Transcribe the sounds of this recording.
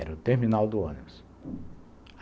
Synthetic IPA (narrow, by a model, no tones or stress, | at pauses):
ɛɾʊt̪eɾminawd̪ʊõ̰nibʊs